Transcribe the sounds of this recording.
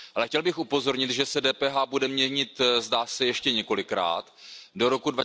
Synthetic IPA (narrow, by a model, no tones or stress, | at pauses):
ʔalɛxcɛlbɪxupo̞zo̞ɾɲɪt̪ʒɛsɛdɛːpɛːɦaːbudɛmɲɛɲɪt̪zdaːsɛjɛʃcɛɲɛko̞lɪkɾa̰ːt̪doɾo̞kudva